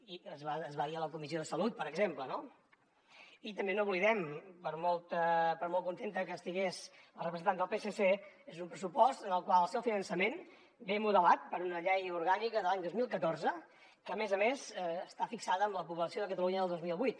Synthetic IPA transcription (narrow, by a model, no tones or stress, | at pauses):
iəzβaəzβaðiələkumis̬ioðəsəlut̪̚pəɾəɡzempləno | it̪əmbenowβliðɛmpəɾmolˠt̪əpəɾmolt̪kunt̪ent̪əkəːst̪iɣes | əlˠrəpəzənt̪and̪əlˠpesese | ezumpɾəs̬upɔst̪ənəlˠkwalˠəlˠsɛwfinənsəmen | bemuðəlat̪̚pəɾunəʎejuɾɣanikəðəlaɲd̪ozmilˠkət̪oɾzə | kəːmezəmezəst̪afiksaðəːmləpuβləsioðəkət̪əluɲəðəlˠd̪ozmilˠβujt̪